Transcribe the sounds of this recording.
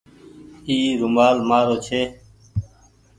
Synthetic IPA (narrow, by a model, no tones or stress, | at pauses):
iːɾʊmaːlmaːɾoːt͡ʃʰeː